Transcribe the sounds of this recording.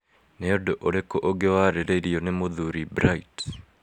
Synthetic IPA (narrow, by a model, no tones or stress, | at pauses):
neodoʔoɾekːoʔoɡewaɾelelionemoðuɾibɾait